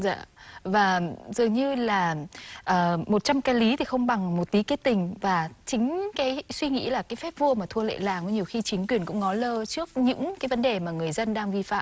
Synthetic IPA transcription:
za̰ː˧˨vaː˨˩zɨ˨˩əŋɲɨ˧laː˨˩ʔəː˨˩mo˨˩t̚t͡ɕa˧mkaː˧li˨˦t̪ʰi˨˩xə˧wŋ͡mɓa˨˩ŋmo˨˩t̚t̪i˨˦ke˦˥t̪ï˨˩ŋ̟vaː˨˩t͡ɕï˨˦ŋ̟kaː˨˦jswi˧ŋḭ˧˥laː˨˩kaː˨˦jfɛ˦˥p̚vu˧əmaː˨˩t̪ʰu˧əlḛ˧˨laː˨˩ŋʔɔ˨˦ɲi˨˩əwxi˧t͡ɕï˨˦ŋ̟kwi˨˩ənkʊ̰˧˥ŋ͡mŋɔ˨˦ləː˧t͡ɕɨ˦˥ək̚ɲɨ̰˧˥ŋkaː˨˦jvə˨˦nɗe˨˩maː˨˩ŋɨ˨˩əjzə˧nɗaː˧ŋvi˧fa̰ː˧˨ʔ

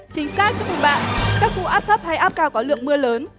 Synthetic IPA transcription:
t͡ɕï˨˦ŋ̟saː˦˥k̚t͡ɕɔ˧mṵ˨˧˨ɓa̰ː˧˨nkaː˦˥k̚kṵ˧˨ʔaː˦˥p̚t̪ʰə˦˥p̚ha˧jʔaː˦˥p̚kaː˧wkɔ˨˦lɨ̰˧˨əŋmɨ˧ələː˨˦n

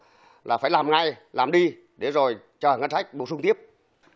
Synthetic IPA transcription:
lʔaː˨˩faː˧˩jlaː˨˩mŋa˧jlaː˨˩mɗi˧ | ɗe˧˩˦zo˨˩j | t͡ɕəː˨˩ŋə˧nsa˦˥jk̟̚ɓo˨˩sʊ˧ŋ͡mt̪i˦˥əp̚

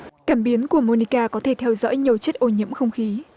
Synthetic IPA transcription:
kaː˧˩mɓi˨˦ənku˧˩əmo˧ni˧kaː˧kɔ˨˦t̪ʰe˧˩t̪ʰɛ˧wzɔ̰˧˥jɲi˨˩əwt͡ɕe˦˥t̚ʔo˧˩ɲḭ˧əmxə˧wŋ͡mxi˨˦

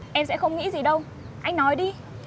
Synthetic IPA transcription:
ʔɛ˧msɛ̰˧˥xə˧wŋ͡mŋḭ˧˥zi˨˩ɗə˧w | ʔa˧jŋ̟nɔ˨˦jɗi˧

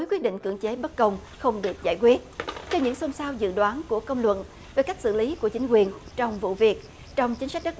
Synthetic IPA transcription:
o˨˦jkwi˦˥t̚ɗḭ˧˨ŋ̟kɨ̰˧˩əŋt͡ɕe˨˦ɓə˦˥t̚kə˧wŋ͡m | xə˧wŋ͡mɗɨ˨˩ək̚zaː˧˩jkwi˦˥ət̚t͡ɕɔ˧ɲɨ̰˧˥ŋso˧msaː˧wzɨ̰˧˨ɗwaː˨˦nku˧˩əkə˧wŋ͡mlwə̰˧˨n | ve˨˩ka˦˥k̟̚sɨ̰˧˨li˨˦ku˧˩ət͡ɕi˨˦ŋ̟k̬wi˨˩ənt͡ɕɔ˧wŋ͡mvṵ˧˨vi˨˩ək̚ | t͡ɕɔ˧wŋ͡mt͡ɕi˨˦ŋ̟sa˦˥k̟̚ɗə˦˥

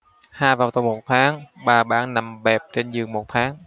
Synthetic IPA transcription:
haː˧jvaː˨˩wt̪ə˨˩wŋ͡mmo˨˩t̚t̪ʰaː˨˦ŋɓaː˨˩ɓa̰ː˧˩nna˨˩mɓɛ˨˩p̚t͡ɕe˧nzɨ˨˩əŋmo˨˩t̚t̪ʰaː˨˦ŋ

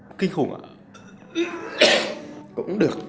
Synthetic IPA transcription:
kï˧ŋxʊ˨˧˩ŋʔa̰˧˩ | kʊ̰˧˥ŋ͡mɗɨ˨˩ək̚

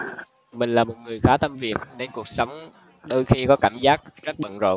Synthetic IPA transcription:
mï˨˩ŋ̟laː˨˩mo˨˩t̚ŋɨ˨˩əjxaː˨˦t̪ʰə˧mvi˨˩ət̚ne˨˧nku˨˩ək̚sə˨˦wŋ͡m | ɗo˧jxi˧kɔ˨˦kaː˧˩mzaː˦˥k̚zə˦˥t̚ɓə̰˧˨nzo̰˧˨

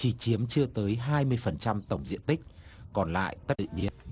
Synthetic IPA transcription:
t͡ɕi˨˩t͡ɕi˨˦əmt͡ɕɨ˧ət̪əː˨˦jɦaː˧jmɨ˧əjfə˨˩nt͡ɕa˧mt̪ə˧˩wŋ͡mzḭ˧˥ənt̪i˦˥k̚kɔ˨˩nla̰ː˧˨jt̪ə˦˥t̚ɗḭ˧˨˩ɲḭ˧˨ən̚

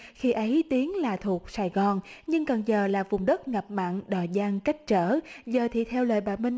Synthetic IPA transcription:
xi˧ʔə˨˦jt̪i˨˦əŋlaː˨˩t̪ʰu˨˩ək̚saː˨˩jɣɔ˨˩nɲɨ˧ŋkə˨˩nzəː˨˩laː˨˩vʊ˨˩ŋ͡mɗə˦˥t̚ŋa˨˩p̚ma̰ː˧˨nɗɔ˨˩zaː˧ŋka˦˥jk̟̚t͡ɕəː˧˩zəː˨˩t̪ʰḭ˧˨t̪ʰɛ˧wlə̰ː˧˨jɓaː˧˩mï˧ŋ

